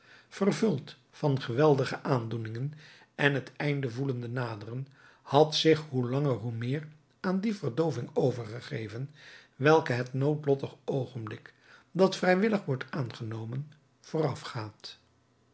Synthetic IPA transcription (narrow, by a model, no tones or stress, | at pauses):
v̥ərvɵlˠt | fɑnχəʋɛlˠdəχəʔaːndunɪŋən | ɛnɦətɛjndəvuləndənaːdərən | hɑtsɪχɦulɑŋəɹɦumɪːr | aːndivərdowvɪŋowvəɹχəχejvənʋɛlˠkəɦətnowtlɔtəχowχənblɪk | dɑtfrɛjʋɪləχʋɔɹtaːnχənowmən | v̥ʊːrɑfχaːt